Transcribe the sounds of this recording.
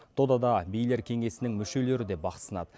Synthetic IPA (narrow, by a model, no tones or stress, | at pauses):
t̪ʰod̪ɑd̪ɑbijle̞ɾkʲʰe̞ŋe̞sɪnɪŋmʏʃe̞le̞ɾɪd̪e̞bɑqə̥sənɑ̰d̪ə